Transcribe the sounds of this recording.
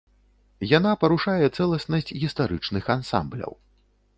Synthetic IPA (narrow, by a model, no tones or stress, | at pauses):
jan̪apɐɾuʂajɛt̪sɛlˠɐsnɐsʲt͡sʲɣʲist̪aɾɨt͡ʂnɨxansa̰mblʲɐ̰w